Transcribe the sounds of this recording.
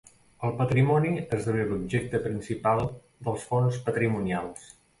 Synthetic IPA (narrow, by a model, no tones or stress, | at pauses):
əlˠpət̪ɾimɔniezðəβelubʒek̚t̪əpɾinsipalˠ | d̪əlˠsfonspət̪ɾimunjalˠs